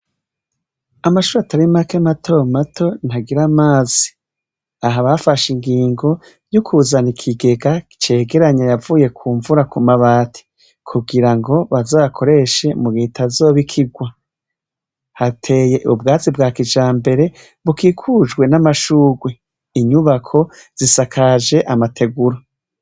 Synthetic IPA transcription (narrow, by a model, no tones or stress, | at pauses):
amaʃuːɾataɾimakematʰo̞matʰo̞n̥haɡiɾamaːzi̥ | aɦaβafaʃiŋɡiːŋɡo̞ | jukʰuzanikʰiɡe̞ɡaki̥t͡ʃe̞ːɡe̞ɾaɲajavuːje̞kʰuːɱvuɾakumaβaːtʰi̥ | kʰuɡiɾaŋɡo̞βazoːβakʰo̞ɾe̞ʃe̞muɡeːtʰazo̞ːβikʰiɡwa | hatʰe̞je̞ʔubɡaːzibɡaːkid͡ʒaːmbe̞ɾe̞ | βukikʰud͡ʒɡwe̞namaʃuːɡwe | iɲuβakʰo̞ | z̥isakʰaʒe̞ʔamatʰe̞ɡuɾo